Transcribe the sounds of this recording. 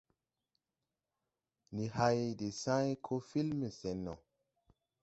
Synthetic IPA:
ni˨ha˧jde˨sã˦jkʰo˦fi˦lme˨se˨nːɔ̰˨

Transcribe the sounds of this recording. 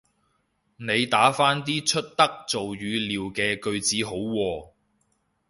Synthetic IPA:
ne˨˧jt̪aː˨˥faː˥nt̪̬iː˥t͡ʃʰɵ˥t̚t̪ɐ˥k̚t͡so˨wjyː˨˧liː˨wkɛː˧kɵ˧ɥt͡siː˨˥ɦo˨˥wwɔː˧

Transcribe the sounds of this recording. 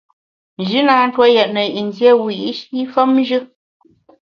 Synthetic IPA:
n˨ʒɨ˦naː˨˦n̩˦twɔ˦jɛ˨ʔ̚nə˨i˨n˨zje˦˨wi˨ʔʃi˦fə˦m˦ʒɨ˦

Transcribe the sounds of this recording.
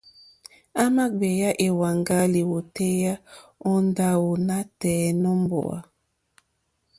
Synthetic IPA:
a˦ma˦ɡ͡be˨ja˦ʔe˨wa˨ŋɡa˦li˨wo˨te˦ja˦ɔ˦nda˦wo˨na˦tɛ˨nɔ˦mbɔ̰˨a̰˨

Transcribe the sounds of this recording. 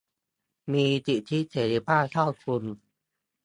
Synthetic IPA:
miː˧t̪i˧˨˩t̪ʰi˦˥t̪ʰe˨˩ɾi˧˩paː˥˩t̪ʰa˥˩kʰu˧n

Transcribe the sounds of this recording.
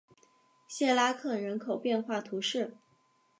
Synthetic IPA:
ɕjɛ˥˩la˥kʰɤ˥˩ɻə˧˥nkʰo˨˩ʊpjɛ˥˧nxwa˥˩t̪ʰu˧˥ʂɻ̩˥˩

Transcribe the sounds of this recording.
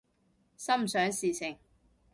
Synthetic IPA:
sɐ˥m̩˨sœː˨˥ŋsiː˨t͡sʰɪ˨˩ŋ

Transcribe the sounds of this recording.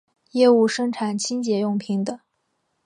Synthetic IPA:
jɛ˥˧u˥˩ʂɤ˥ŋʈ͡ʂʰa˨˥˦nt͡ɕʰi˥nt͡ɕjɛ˧˥jʊ˥˩ŋpʰi˧˥ŋd̪ə˧

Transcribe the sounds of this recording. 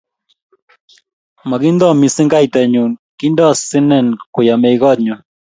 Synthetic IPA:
ma˨ki˦nd̪ɔ˦˨mi˨sɪ˦ŋɡa˦jt̪ɛ˨ɲu˨nki˦ndɔ˦˨sɪ˦nɛ˦˨nkʊ˨ja˨me˨jɡɔ˦tɲɔ˨

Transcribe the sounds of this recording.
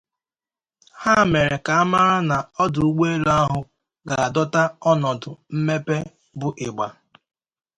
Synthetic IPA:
ha˦˨me˨ɾe˨ka˨a˦ma˦ɾa˦na˨ɔ˦dʊ˨u˦ɡ͡be˦lo˦a˦ɦʊ˦ | ɡa˨a˨dɔ˦ta˦ɔ˦nɔ˨dʊ˨m̩˦me˦pe˦ | bʊ˨ʔɪ˨ɡ͡ba˨

